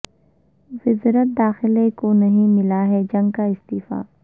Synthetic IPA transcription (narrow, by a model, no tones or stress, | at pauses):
zɪzɾət̪̚d̪aːxɪlekonɐɦĩmɪlaɦɛd͡ʒɐ̃ŋɡkaɪst̪iːfa̰ː